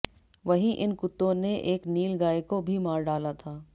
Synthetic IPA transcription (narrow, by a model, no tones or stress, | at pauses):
ʋɐɦĩʔɪnkʊt̪ːõneʔeːkniːlɡaːekobʱimaːɾɖaːlat̪ʰaː